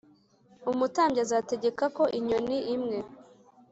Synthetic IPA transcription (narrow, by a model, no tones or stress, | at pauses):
umutaːmbɟazaːte̞ɟe̞kako̞ʔiɲo̞niʔimŋe̞